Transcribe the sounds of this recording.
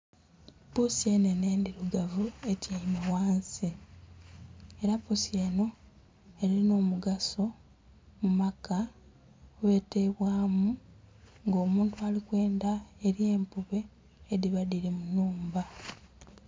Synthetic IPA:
pusie̞ne̞ne̞ːndiɾuɡavue̞caimawaːnsi | e̞ɾapusie̞ːno̞ | eɾiino̞ːmuɡaso̞ | mumaka | oβe̞ːte̞βwaːmu | ŋɡo̞ːmuːntuaːlikwe̞ːndaeɾie̞ːmpuβe̞ː | ðiβaðiɾemunuːmba

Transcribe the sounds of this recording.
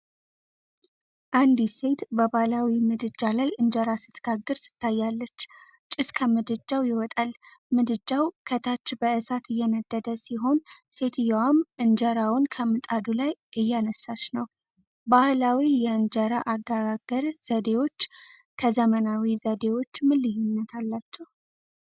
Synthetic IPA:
ʔand̪ise̞t̪bəbahlawimɨd̪ɨd͡ʒːalajʔɨnd͡ʒəɾasɨt̪ɡ̥aɡːɨɾsɨ̥t̪ʰːajːalːət͡ʃː | t͡ʃʼɪskʰəmɨd̪ɨd͡ʒawjɪwɔt̪ʼalmɨd̪ɨd͡ʒːawkʰət̪ʰat͡ʃːbəɨsat̪ɨjːɛnəd̪̥ːəd̪əsiɦo̞nse̞t̪ɨjawamʔɨnd͡ʒəɾawʊnkʰəmɨt̪ʼad̪ulajʔɨjːanəsːat͡ʃnəw | bahlawijɛɨnd͡ʒəɾaʔaɡaɡaɡəɾz̥əd̪e̞wo̞t͡ʃː | kʰəzəmənawizəd̪e̞wo̞t͡ʃːmɨlːɨjunːət̪ʰalːat͡ʃːɛw

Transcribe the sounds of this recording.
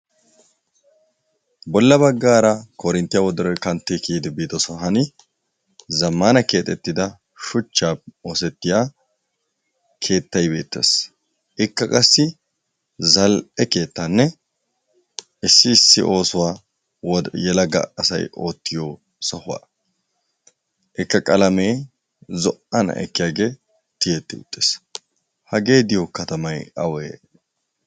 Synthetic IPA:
bɔlːɐbɐɡːaːɾɐkɔɾɪnt̪ːɪjawɔd̪ɔɾɔkɐnt̪ːekiːd̪ɪbiːd̪ɔsɔɦɐnɪ | zɐmːaːnɐke̞ːt̪ʼɛt̪ːɪd̪ɐ | ʃʊt͡ʃːaːo̞ːsɛt̪ːɪjaː | kʰe̞ːt̪ːɐjbe̞ːt̪ːḛs | ʔɪkːɐkʼɐsːɪ | zɐlɛke̞ːt̪ːanːɛ | ɪsːɪːsːɪ̰ʔo̞ːsʊwaː | jɛlɐɡɐ̰ɐsɐ̰jo̞ːt̪ːɪjo | sɐhʊwa̰ː | ʔɪkːɐkʼɐlɐme̞ː | zɔʔɐnɐ̰ʔɛ̰kːɪjaːɡe̞ː | t̪ɪjɛt̪ːɪʊ̰t̪ʼːeːs | hɐɡe̞ːd̪ɪjɔkɐt̪ɐmɐjɐwe

